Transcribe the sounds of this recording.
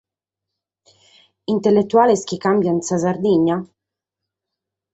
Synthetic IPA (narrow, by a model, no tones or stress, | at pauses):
int̪elːet̪ːuaːlesk̟ikambjansazard̪iɲːa